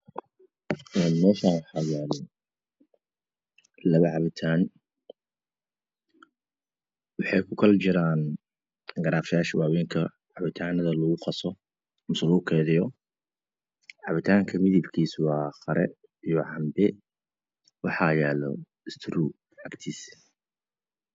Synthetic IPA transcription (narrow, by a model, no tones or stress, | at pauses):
ʔɛːnmɛːʃaːwɑħɑːjaːlɔ | lɐβɐʕɑβɪt̪ʰaːn | wɑħɑjkʰʊkʰɐlt͡ʃɪɾaːn | ɡɐɾaːfjaːʃwɑːwiːŋkʰɐ | ʕɑβɪt̪ʰaːnɐðɐlɐɣʊqɑsɔ | mʊsluʊkʰɛːðɪjɔ | ʕɑβɪt̪ʰaːŋkʰɐmɪðɪbkʰiːswɑːxɐɾɛ̰ | ijɔʕɑmb̪ɛ | wɑħɑjaːlɔ̰ | ɪst̪ʰɾuː | ʕɑɡt̪ʰiːs